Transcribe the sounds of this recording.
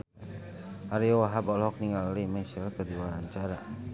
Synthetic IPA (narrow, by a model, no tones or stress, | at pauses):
aɾioaɦabɔlɔk̚niŋallimesɛlt̪ədiwaɾaɲt͡ʃaɾa